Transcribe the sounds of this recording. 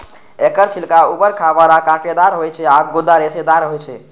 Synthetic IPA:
ekəɾt͡ʃʰilkaubəɾkʰabaɾakãked̪aɾɦojt͡ʃʰɛaɡod̪aɾesed̪aɾɦojt͡ʃʰɛ

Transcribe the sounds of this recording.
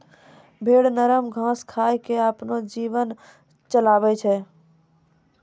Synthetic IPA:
bʱeːɽnəɾəmɡʱãːskʰaːjkeəpnod͡ʒiːʋən | t͡ʃəlaːbɛt͡ʃʰɛ

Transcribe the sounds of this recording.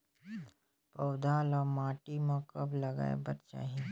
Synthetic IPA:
pəwd̪aːlɔːɾmaːʈimãkəblɐɡa̰ːḛbɐɾt͡ʃa̰ːɦi

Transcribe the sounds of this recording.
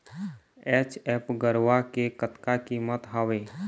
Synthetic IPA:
ɛːt͡ʃɛːpɡəɾʋakekət̪kakimət̪ɦaʋeː

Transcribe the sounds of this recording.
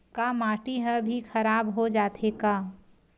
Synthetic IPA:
kamaːʈiɦəbʱixʰɐɾaːbɦod͡ʒaːt̪ʰeka

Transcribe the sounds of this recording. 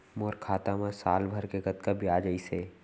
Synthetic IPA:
moːɾkʰaːt̪amãsaːlbʱəɾkeɡət̪kabʱiaːd͡ʒəiseː

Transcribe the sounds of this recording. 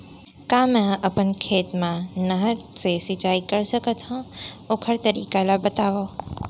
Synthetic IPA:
kaːmɛ̃ɐpənkʰeːt̪mãnəɦəɾsesɪt͡ʃaːikɐɾsəkət̪ɦũokʰəɾt̪əɾiːkalabət̪aːʋoː

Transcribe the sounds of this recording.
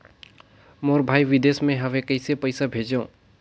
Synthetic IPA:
moːɾbʱaːiʋɪd̪eːsmẽɦəmẽkəɪsepəɪsabʱeːd͡ʒə̃

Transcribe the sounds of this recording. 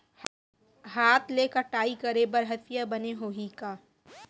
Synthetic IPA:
ɦaːt̪leːkəʈaːikɐɾebɐɾɦət̪ɪjabɐneɦoːɦikaː

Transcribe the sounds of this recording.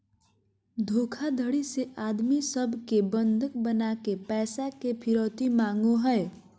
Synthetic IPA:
d̪ʱoːkʰad̪ʱəɽiseʔaːd̪misəbʱkebə̃nd̪ʱək̚bənaːkepɛːsakepʰɪɾoːt̪imãːŋɡoɦɛe

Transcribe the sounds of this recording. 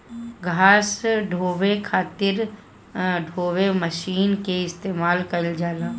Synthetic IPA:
ɡʱaːsɖʱoːʋekʰaːt̪ɪɾ | ɖʱoːʋeməʃiːnkeɪst̪eːmaːlkɐld͡ʒaːlãː

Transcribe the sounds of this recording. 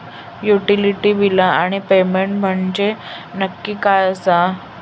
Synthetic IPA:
juʈiliʈiːʋilaaɽ̃ipemeɳʈm̤əɳd͡ʑe | nəkːiːkajəsa

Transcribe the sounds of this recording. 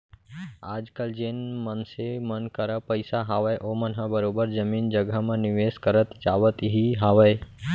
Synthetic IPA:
ad͡ʒkəld͡ʒenmənsemənkəɾəpəɪsaɦaʋəjʔomənɦəbəɾobəɾd͡ʒəmiːnd͡ʒəɡəmə̃nɪʋeskəɾət̪d͡ʒaʋət̪ɦiɦaʋəj

